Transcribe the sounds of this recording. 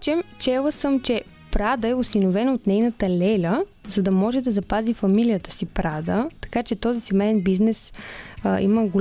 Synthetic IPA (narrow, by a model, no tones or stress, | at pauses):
t͡ʃɛmt͡ʃɛlˠəsəmt͡ʃɛ | pɾad̪əɛʊsinovɛnot̪nɛjnət̪əlɛlʲəzɐd̪ɐmɔʒɛd̪ɐzɐpazifɐmilijət̪ə̥sipɾad̪ət̪ɐ̥kat͡ʃɛt̪ɔzisɛmɛɛnbiznɛs | ḭməɡʊlʲ